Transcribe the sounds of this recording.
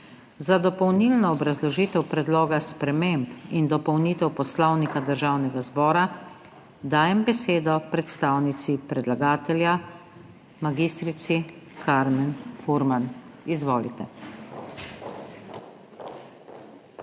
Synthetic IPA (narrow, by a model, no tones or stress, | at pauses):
zad̪ɔpɔwnilnɔːbɾazlɔʒiːt̪ɛwpɾɛd̪loːɡaspɾɛmempind̪ɔpɔwniːt̪ɛwpɔslɔwnikad̪əɾʒaːwnɛɡazbɔːɾa | d̪aːjɛmbɛseːd̪ɔpɾɛt̪st̪aːwnit̪sipɾɛd̪laɡaːt̪ɛlja | maɡiːst̪ɾit̪sikʰaɾmɛnfuɾmanizʋoːlḭt̪ɛ̰